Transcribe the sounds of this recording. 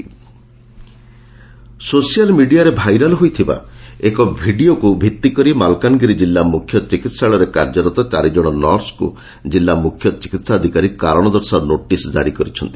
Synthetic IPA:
sosijalmiɖijaɾebʱajɾɔlɦojt̪ʰiba̰ekɔbʱiɖiokubʱit̪ːikɔɾimalkanɔɡiɾid͡ʒilːamukʰjɔt͡ʃikit̪saɭɔɾekaɾd͡ʒɔɾɔt̪ɔt͡ʃaɾid͡ʒɔɽ̃ɔnɔɾskṵ | d͡ʒilːamukʰːjɔt͡ʃikit̪saɔd̪ʱikaɾikaɾɔɽ̃ɔd̪ɔɾsaɾɔnoʈisd͡ʒa̰ɾikɔɾit͡ʃʰɔnt̪i̥

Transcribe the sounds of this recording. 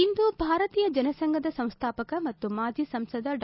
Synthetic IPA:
ind̪ubʱaːɾɐt̪iːjɐd͡ʒɐnɐsɐŋɡʱɐd̪ɐsɐ̃w̃st̪ʰaːpɐkɐmɐt̪ːumaːd͡ʒʱisɐmsɐd̪ɐɖ

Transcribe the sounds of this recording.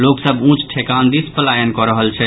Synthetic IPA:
loksəbũt͡ʃʰʈʰekand̪ispəlajənkɔɾəɦəlt͡ʃʰɛ

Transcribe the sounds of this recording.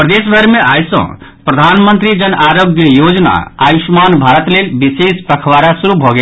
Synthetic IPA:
pɾəd̪esbʱəɾmeʔajsə̰̃pɾəd̪ʱanmənt̪ɾid͡ʒənʔaɾoɡjəjod͡ʒna̰a̰jusmanbʱaɾət̪lelbisespɾəkʰʋaɾasuɾubʱɔɡe

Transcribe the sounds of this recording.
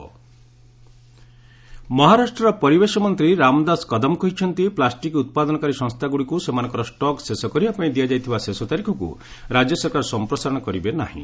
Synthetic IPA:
mɔɦaɾasʈɾɔɾɔpɔɾibesɔmɔnt̪ɾiɾamd̪askɔd̪ɔmkɔɦit͡ʃʰɔnt̪iplasʈikut̪̚pad̪ɔnɔkaɾisɔ̃ŋst̪ʰaɡuɽikusemanɔŋkɔɾɔsʈɔksesɔkɔɾiapãĩd̪ijad͡ʒajt̪ʰibasesɔt̪aɾikʰɔkṵɾad͡ʒjɔsɔɾkaɾɔsɔmpɾɔsaɾɔɽ̃ɔkɔɾibena̰ɦḭ̃

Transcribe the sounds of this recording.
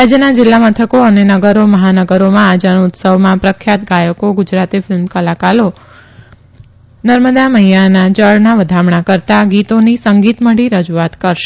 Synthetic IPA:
ɾad͡ʒjənad͡ʒɪlːamət̪ʰəkoənenəɡəɾoməɦanəɡəɾomãad͡ʒənuʊt̪səʋmãpɾəkʰːjat̪ɡajəkoɡʊd͡ʒɾat̪ifɪlmkəlakalo | nəɾməd̪aməɦijanad͡ʒəɭnaʋəd̪ʱamɳakəɾt̪aɡit̪onisəŋɡit̪məɽiɾəd͡ʒuat̪kəɾʃe

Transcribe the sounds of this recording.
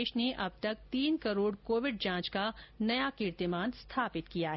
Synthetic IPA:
ʃneʔɐb̚t̪ɐk̚t̪iːnkɐɾoːɽkoːʋɪɖ̚d͡ʒãːt͡ʃkanɐjakɪɾt̪ɪmaːnst̪ʰaːpɪt̪kijaɦ

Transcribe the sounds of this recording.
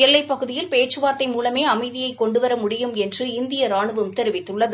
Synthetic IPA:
ɛlːɐɪpːɐɣɯðɪjɪlpeːʈt͡ʃːɯʋaːɾt̪ɐɪmuːlɐmeːɐmɐɪðɪjɐɪkːɔɳɖɯʋɐɾɐmʊɽɪjɯmɛndrɯɪnd̪ɪjɐɾaːɳɯʋɯmt̪ɛɾɯʋɪt̪ːɯɭːɐðɯ

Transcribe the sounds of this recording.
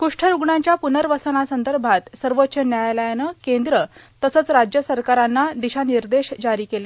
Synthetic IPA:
kuʂʈʰəɾuɡɳãɲt͡ɕjapunəɾʋəsənasənd̪əɾbʱat̪səɾʋotːɕənjajləjnəkẽnd̪ɾə | t̪əsət͡sɾad͡ʑjəsəɾkaɾanːad̪iɕaniɾd̪eɕd͡ʑaɾiːkele

